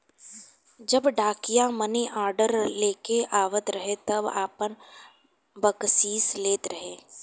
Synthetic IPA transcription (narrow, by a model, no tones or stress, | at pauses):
d͡ʒɐbɖaːkijamɐniʔaːɾɖəɾleːkeʔaːʋət̪ɾɐɦet̪ɐba̰ːpən | bɐksiːsleːt̪ɾɐɦeː